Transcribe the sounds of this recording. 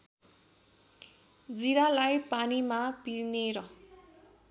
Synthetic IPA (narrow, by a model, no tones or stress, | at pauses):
d͡ziɾalajpanimapineɾʌ